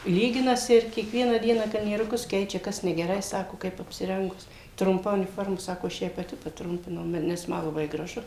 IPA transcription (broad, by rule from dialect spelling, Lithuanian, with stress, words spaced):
ˈlʲiːɡʲɪnɐsʲɪ ɪr kʲiɛˈkʋʲiɛnɑː ˈdʲiɛnɑː kɐlʲnʲiɛrʊˈkʊs ˈkʲɛɪt͡ʃʲɛ ˈkɐs nʲɛɡʲɛˈrɐɪ ˈsɑːkoː ˈkɐɪp ɐpʲsʲɪˈrʲɛŋɡʊs trʊmˈpɐ ʊnʲɪˈfoːrmɐ ˈsɑːkoː ɐʃ ˈjɛɪ pɐˈtʲɪ pɐˈtrʊmʲpʲɪnɐʊ mɐ nʲɛs ˈmɐ lˠɐˈbɐɪ ɡrɐˈʒʊ